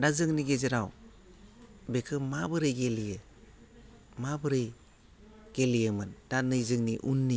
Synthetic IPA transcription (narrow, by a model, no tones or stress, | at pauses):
dazɯŋniɡezɯɾaw | bekʰɯmabɯɾɯjɡelijɯ | mabɯɾɯj | ɡ̥elijɯmɯnd̥anɯjzɯŋniʔunːi